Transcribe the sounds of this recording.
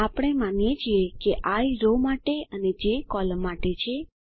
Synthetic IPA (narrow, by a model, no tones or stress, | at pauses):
apɽ̃emanjet͡ʃʰiekeʔaiɾomaʈeəned͡ʒekɔləmːaʈet͡ʃʰe